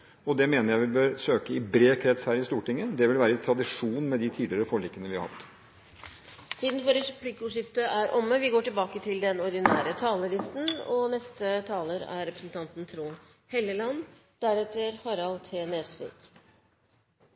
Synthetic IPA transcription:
ɔd̪ɛmeːnəɾjæɪʋɪbøːɾsøːkəɪbɾeːkʰɾɛt̪shæːɾɪst̪uːʈɪŋːəd̪ɛʋɪlʋæːɾəɪt̪ʰɾɑd̪ɪʂuːnmɛd̪ɪt̪ʰiːd̪lɪəɾəfɔɭɪkːənəʋɪhɑɾhɑ̰t̪ː | t̪ʰiːd̪n̩fɔɾɛpʰlɪkʊːʂɪft̪əʔæɾʔɔmːəʋɪɡoːʈɪlbɑːkət̪ʰɪld̪ɛnɔɾɖ̪ɪnæːɾət̪ʰɑːləlɪst̪nɔnɛst̪ət̪ʰɑːləɾæ̰ɾɾɛpɾəsn̩t̪ʰɑnt̪n̩t̪ʰɾuːn | hɛlːəlɑn | d̪̥æɾɛt̪əɾhɑɾɑlt̪ʰeːneːsʋḭːk

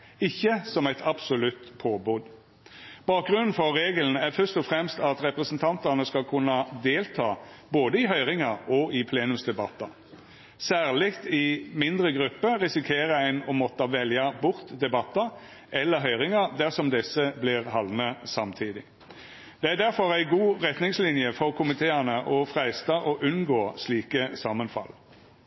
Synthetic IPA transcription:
ɪçːəsɔmæɪt̪ʰɑbsʊlʉt̪pʰoːbud̪ | b̥ɑːk̚ɡʁʉnːn̩fɔɾːeːɡəln̩æɾfœst̪ɔfɾɛmst̪ɑt̪ɾɛpɾəsnt̪ʰɑnt̪ənəskɑlkʰʉnːɑd̪eːlt̪ʰɑːboːd̪əɪɦœʏʁɪŋɑɾɔɪpʰleːnʉmsd̪ɛbɑt̪ːɑ | sæːʁlɪkt̪ɪmɪnd̪ʁəɡʁʉpːəʁɪsɪkʰeːɾəæɪnɔmɔt̪ːɑʋɛljɑbʊʁt̪d̪ɛbɑt̪ːə | ɛlːəɦœʏʁɪŋɑd̪æʁsɔmd̪ɛsːəblɪʁɦɑlnəsɑmt̪ʰiːd̪ɪ | d̪̥ɛæʁɖ̪æɾfɔʁæɪɡuːʁɛt̪nɪŋslɪnjəfɔʁkʰʊmɪt̪ʰeːɑnəʔɔfʁæɪst̪ɑʔɔʔʉnɡoːsliːkəsɑmənfɑ̰l

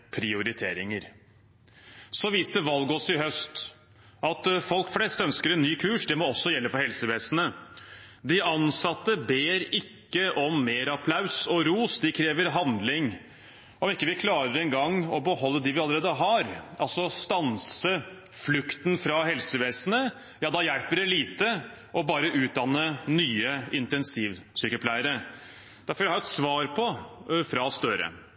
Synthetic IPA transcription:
pʰɾɪʊɾɪt̪ʰeːɾɪŋəɾ | sɔʋiːst̪əʋɑlɡɔsɪɦœst̪ | ɑt̪fɔlkflɛst̪œnskəɾɛnːyːkʰʉːʂd̪ɛmɔɔsːɔjɛlːəfɔɾhɛlsəʋeːsənə | d̪ɪʔɑnsɑt̪ːəbeːɾɪkːəʔɔmːeːɾɑpʰlaʉsɔɾuːsd̪ɪkʰɾeːʋəɾɦɑnd̪lɪŋ | ɔmɪkːəʋɪkʰlɑːɾəɾɛŋɡɑŋːɔbəhɔlːəd̪ɪʋɪɑlːˠəɾeːd̪əɦɑɾʔɑlsɔst̪ɑnsə | flʉkt̪nfɾɑɦɛlsəʋeːsənə | jɑːd̪ɑjæɽpəɖɛliːt̪ə | ʔɔbɑːɾəʔʉːt̪̚d̪ɑnːənyːəɪnt̪ɛnsiːʋsyːkəpʰlæɪəɾə | d̪̥æɾfɔɾjæhɑɾɛt̪sʋɑːɾpʰɔfɾɑst̪œɾə̰

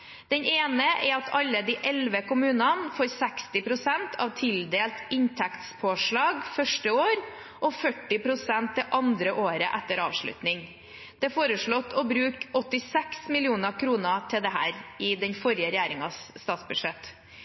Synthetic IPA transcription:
d̪̥ɛneːnəʔɛɾɑt̪ʰɑlːəd̪ɪʔɛlʋəkʊmʉːnɑnfoːɾsɛkst̪ɪpɾʊsɛnt̪ʰɑ̰ʋt̪ʰɪld̪eːlt̪ɪnt̪ʰɛkt̪spʰoːʂɭɑːɡfœʂʈəoːɾ | ʔɔfœʈːɪpʰɾʊsɛnt̪̚d̪ɛʔɑnd̪ɾəʔoːɾəʔɛt̪ːəɾɑ̰ːʋʂɭʉ̰t̪nɪŋ | d̪̥ɛfoːɾəʂɭɔt̪ʰːɔbɾʉːkɔt̪ːɪsɛksmɪlɪuːnəkʰɾuːnət̪ʰɪld̪ɛɦæːɾɪd̪ɛnfɔɾjəɾɛjæːɾɪŋɑsːt̪ɑːt̪sbʉd̪ʂɛt̪

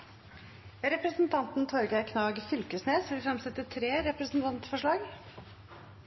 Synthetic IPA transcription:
ɾɛpɾəsnt̪ʰɑnt̪n̩t̪ʰɔɾɡæɪkʰnɑːɡfʏlkəsneːsʋɪlfɾɑmsɛt̪ːət̪ʰɾeːɾɛpɾəsn̩t̪ʰɑnt̪fɔʂɭɑːɡ

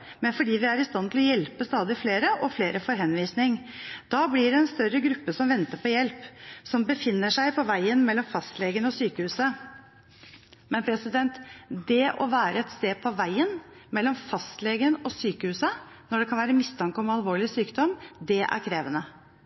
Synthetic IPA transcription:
mɛnfɔɖiːʋɪæɾɪst̪ɑnt̪ʰɪlɔjɛlpəst̪ɑːd̪ɪfleːɾəʔɔfleːɾəfɔɾɦɛnʋiːsnɪŋ | d̪̥ɑblɪɖɛɛnst̪œɾːəɡɾʉpːəsɔmʋɛnt̪əɾpʰɔjɛlpsɔmbəfɪnːəʂæɪpʰɔʋæɪənmɛlːɔmfɑst̪leːɡənɔsyːkəhʉːsə | mɛnpʰɾɛsɪd̪ɛnt̪d̪ɛʔɔ̰ʋæːɾəɛt̪st̪eːpʰɔʋæɪənmɛlːɔmfɑst̪leːɡənɔsyːkəhʉːsə | nɔɖɛkʰɑnʋæːɾəmɪst̪ʰɑŋkəɔmɑlʋoːɭɪsyːkd̪ɔmːd̪ɛʔæ̰ɾkʰɾeːʋənə

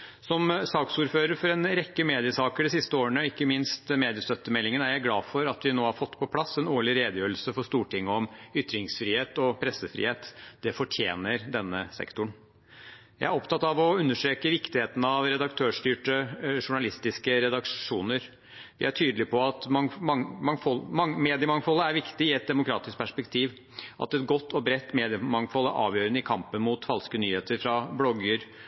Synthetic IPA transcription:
sɔmsɑːksuːɾføːɾəɾfɔɾɛnɾɛkːəmeːd̪ɪəsɑːkəɖɪsɪst̪əoːɾəɳəɪkːəmɪnst̪meːd̪ɪəst̪œt̪ːəmɛlːɪŋənæɾjæɪɡlɑːfɔɾɑt̪ʋɪnoːhɑɾfɔt̪ːpʰɔpʰlɑsːɛnoːɭɪɾeːd̪əjøːɾlsəfɔʂt̪uːʈɪŋːəɔmʏt̪ːɾɪŋsfɾiːheːt̪ɔpʰɾɛsəfɾḭheːt̪d̪̥ɛfɔʈʰjḛːnəɾd̪ɛnːəsɛ̰kt̪ʊɳ | jæɪæɾɔpt̪ʰɑt̪ːɑʋɔʉnːəʂʈɾeːkəʋɪkt̪ɪheːt̪ənəɑʋɾɛd̪ɑkt̪ʰøːʂt̪yːʈəʂʊɳɑlɪst̪ɪskəɾɛd̪ɑkʂuːnəɾ | ʋɪ̰æʈʰyːd̪əlɪpɔɑt̪mmmɑŋfɔlmɑŋmeːd̪ɪəmɑŋfɔlːəæɾʋɪkt̪ɪɪɛt̪̚d̪ɛmʊkʰɾɑːt̪ɪsk̚pʰæʂpɛkt̪ʰiːʋ | ʔɑ̰t̪ɛt̪ɡɔt̪ːɔbɾɛt̪ːmeːd̪ɪəmɑŋfɔlːəʔɑ̰ːʋjøːɾənəɪkʰɑmpənmut̪fɑlskənyːheːt̪əɾfɾɑblɔɡəɾ

